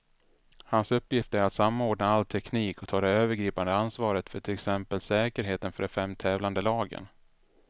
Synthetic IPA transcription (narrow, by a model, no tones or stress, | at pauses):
hansɵpːjɪft̪əæɾat̪samːaoːɖɳaalːt̪ʰɛkʰniːkɔt̪ʰɑːd̪ɛøːvəɾɡɾiːpand̪əansvɑːɾət̪fœʈʰɪlɛksɛmpəlsɛːkəɾɦeːt̪ənfœɖɛfɛmt̪ʰɛːvland̪əlɑːɡə̰n